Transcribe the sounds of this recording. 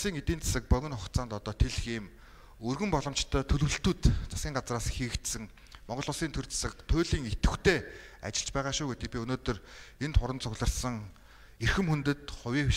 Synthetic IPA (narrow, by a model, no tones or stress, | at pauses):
siːŋet̪iːnt͡sʰḁsə̆k̚pœɣʲɘ̆nχɔkt̪t͡saːnt̪ɔt̪ɔːt̪ʰeɮxiːm | ɵrɣɘ̆mpɔɮɞ̆mt͡ɕt̪ʰœːt̪ʰɵɮ̆wɘ̆ɬt̪uːt̪t͡sʰḁskʲiːɴɢat͡sraːsxiːkt̪sɘ̆ŋ | mɔɴʁɢɞ̆ɮʊːsiːnt̪ʰɵrt͡sʰḁsə̆k̚t̪ʰʊːɮiːŋet̪ɘ̆xt̪ʰeːa̰t͡ɕɪ̆ɮt͡ɕpæːʁaːʃuːɡut̪ʰiːpʲiɵnoːt̪ɵ̆rent̪χʊɾə̆nt͡sʰʊɣɮə̆rsə̆ŋ | erxɘ̆mxunt̪ɘ̆t̪χʊwʲiːw